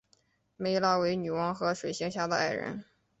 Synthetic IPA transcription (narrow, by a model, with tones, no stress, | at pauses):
me˧˥ɪlɑ˥ʊwe˧˥ɪny˨˩wɑ˧˥ŋxɤ˧˥ʂwe˨˩ɪɕi˧˥ŋɕja˥˩d̪ə˧a˥˩ɪɻə̰˧˥n